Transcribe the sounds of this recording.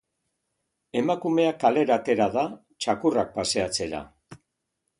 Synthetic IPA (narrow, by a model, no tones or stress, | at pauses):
e̞makume̞akale̞ɾat̪e̞ɾaða | t͡ʃakurak̚pase̞at͡se̞ɾa̰